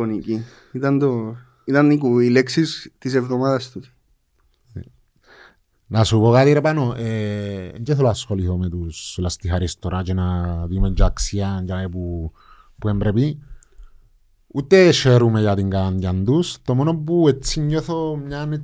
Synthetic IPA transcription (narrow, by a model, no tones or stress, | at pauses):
oniki | it̪and̪o | it̪anik̬uileksist̪isevðomaðast̪us | nasuβokat̪iɾepanoʔeɲd͡ʒeθolaskoliθomet̪uslast̪iɦaɾist̪oɾʔat͡ʃenat̪imeɲd͡ʒaksiaɲd͡ʒaepu | puembɾepi | ut̪ːeʃeɾumejat̪iŋɡanjand̪ust̪omonobuet͡sːiɲːoθomɲane